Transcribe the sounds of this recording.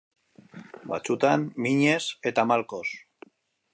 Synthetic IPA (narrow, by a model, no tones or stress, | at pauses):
ba̰t͡sut̪amːiɲe̞se̞t̪amalko̞s